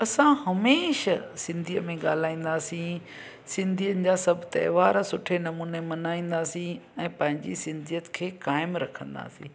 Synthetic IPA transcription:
ɐsãhɐmeːʃsɪ̃nd̪ʱijəmẽɠa̰ːl̤aːĩːn̆d̪aːsĩ | sɪ̃nd̪ʱijənɪ̆d͡ʑaːsɐbʱt̪ɐ̰ɦʋaːɾsʊʈʰenɐmuːnemɐnaːĩːn̆d̪aːsĩɛ̃ːpɐ̃ɦɪ̃ɲd͡ʑisɪ̃nd̪ʱijət̪kʰeːkaːɪmɾɐkʰə̃nd̪a̰ːsḭ̃ː

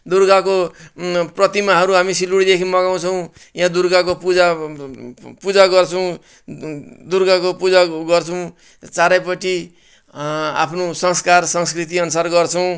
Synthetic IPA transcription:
d̪urɡako | prʌt̪imaɦʌɾuɦamisiluɽid̪ekʰimʌɡaw̃t͡sʰʌw̃ | jãd̪uɾɡakopud͡za | pud͡zaɡʌrt͡sʰʌw̃ | d̪urɡakopud͡zaɡʌrt͡sʰʌw̃ | t͡saɾʌjpʌʈi | a̰pʰnosʌŋskarsʌŋskrit̪̬iʌnusarɡʌrt͡sʰʌw̃

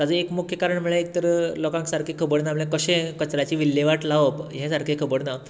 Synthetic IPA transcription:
t̪ad͡zəekmukʰjəkaɾəɳm̤əɭeek̚t̪əɾəlɔkãŋksaɾkʰekʰəbəɽnaməɭẽkəɕẽkət͡ɕɾat͡ɕiːʋilːjeʋaʈlaʋəpɦẽsaɾkʰekʰəbəɽna

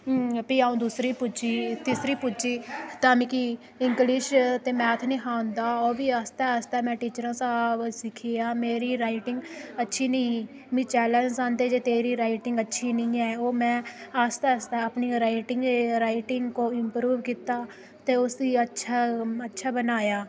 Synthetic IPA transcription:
piaːũːd̪uːsɾiːpʊd͡ʒiːt̪ɪsɾiːpʊd͡ʒiːt̪aːmĩːki | ɪŋɡlɪʃt̪eːmɛ̃ːt̪ʰnĩːɦãːʊ̃nd̪aːoːbiːaːst̪ɛːəst̪ɛːmɛ̃ːʈiːt͡ʃəɾãːsaːbsɪkʰiːaːmeːɾiːɾaːɪʈɪ̃ŋɡətːʃʰiːnəĩ | mĩːt͡ʃɛːlə̃nd͡ʒsãːnd̪eːd͡ʒeːt̪eːɾiːɾaːɪʈɪŋɡətːʃʰiːnĩːɛːoːmɛ̃ːaːst̪ɛːəst̪ɛəpniːɾaːɪʈɪŋɡɾaːɪʈɪŋɡkoːɪmpɾuːʋkiːt̪aː | t̪eːʊsdiːətːʃʰaətːʃʰaːbənaːjaː

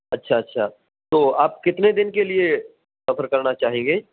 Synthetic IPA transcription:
ɐtːʃʰaɐtːʃʰaː | t̪oːaːp̚kɪt̪ned̪ɪnkelie | sɐfʰəɾkɐɾnat͡ʃaːɦẽːŋɡeː

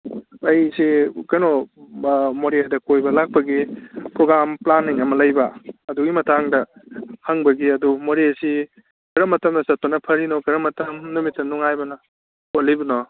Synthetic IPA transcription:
ɐjsikɐno | moɾedɐkojbɐlak̚pɐɡipɾoɡɾamplanːiŋɐmɐlɐjbɐɐduɡimɐtʰaŋdɐhɐŋbɐɡiɐdumoɾesi | kɐɾɐmɐtɐmnɐsɐt̚onɐpʰɐɾinɔkɐɾɐmɐtɐmnumitːɐnuŋajbɐnɐ | olijbɐnɔ

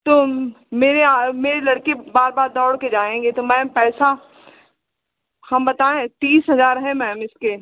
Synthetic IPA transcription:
t̪oː | meːɾeameːɾelɐɽkebaːɾbaːɾd̪ɔːɽked͡ʒaːẽːŋɡet̪omɛ̃ːpɛːsa | hɐmbɐt̪aːẽt̪iːsɦɐzaːɾɦɛ̃mɛ̃ːmɪske

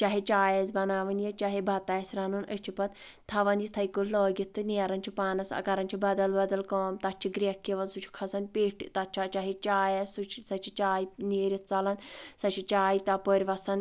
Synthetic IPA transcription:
t͡ʃɐɦet͡ʃaːjezbɐnaːʋɨnjɐt͡ʃaɦebʱɐt̪aːsʲɾanuːnət͡ʃʰipɐt̪t̪ʰːɐʋɐnjit̪ʰɐjkulloːɡʲit̪ʰːɨneːɾɐnʲt͡ʃʰipaːnɐsɐ̰kɐɾɐnʲt͡ʃʰibɐd̪ɐlbɐd̪ɐlkoːmt̪ɐt͡ʃʰiɡɾʲekʲːiʋɐnsut͡ʃʰi̥kʰɐsɐnpeːʈʰt̪ɐt͡ʃʰat͡ʃɐɦit͡ʃaːjɐsut͡ʃʰsɐt͡ʃʰit͡ʃaːjineːɾʲit̪̚t͡sɐlɐnsɐt͡ʃʰit͡ʃaːjit̪ɐpoɾʲʋɐsɐn

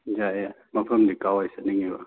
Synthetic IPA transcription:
d͡ʒaa | mɐpʰɐmdikawajsaniŋiba̰

